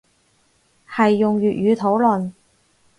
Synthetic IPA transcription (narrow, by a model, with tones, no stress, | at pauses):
hɐ˨jːʊ˨ŋɥyː˨t̚jyː˨˧t̪ʰo˨˥wlɵ˨n